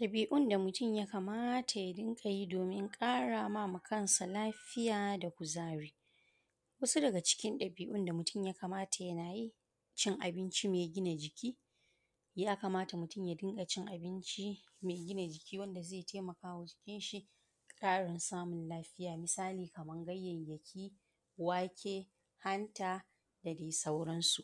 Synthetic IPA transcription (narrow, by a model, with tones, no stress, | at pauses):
ɗɐ˨biː˨ʔʊ˦˨nda˨mʊ˨tʊ˦˨mjaː˦ka˨maː˦tʰa˨ja˦dɪ˦ŋkʼa˨ji˦doː˨mɪ˦ŋkʼaː˦ɽa˨ma˦mu˨kɐ˦˨nsa˨laː˦ɸɪ˦jaː˨da˨kʷʊ˨zaː˦ɽiː˦ | wɐ˦su˦dɐ˨ɡa˨t͡ʃɪ̥˦kʲɪ˦nɗɐ˨biː˨ʔʊ˦nda˨mʊ˨tʊ˦mjaː˦ka˨maː˦tʰa˨jɐ˦naː˨ji˦ | t͡ʃɪ˦ŋʔa˨bɪ˦nt͡ʃi˦meː˨ɡʲɪ˦na˨d͡ʒɪ˨kʲʰiː˦ | jaː˦kɐ˨maː˦ta˨mʊ˨tʊ˦˨mjaː˦dɪ˦ŋɡa˨t͡ʃɪ˦ŋʔa˨bɪ˦nt͡ʃi˦ | meː˨ɡʲɪ˦na˨d͡ʒɪ˨kʲiː˦wɐ˦nda˨zeː˦˨tʰeː˦mɐ˨kaː˦˨wʊ˦kʲɪ˦nʃi˦ | kʼaː˦ɽɛ˨nsaː˦mʊ˨nlaː˦ɸɪ˦jaː˨mɪ˨saː˦liː˨kɐ˨mɐ˦ŋɡɐ˦jːɐ˨ɲjɐ˨kʲʰiː˦ | waː˦kʲʰeː˦ | ha˦ntaː˨ | da˨deː˨sɐ˦wɽɐ˦nsu˨ʔ